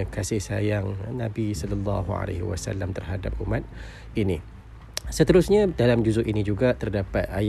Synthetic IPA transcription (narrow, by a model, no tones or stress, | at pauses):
kasɪhsajaŋnãbisɔlɔlːɑɦua̰lḛhiwa̰sa̰lːamt̪ərɦadap̚umat̪̚ | ini | sət̪əɾʊsɲadalamd͡ʒuzʊʔʔinĩd͡ʒuɡat̪ərdapat̪̚aj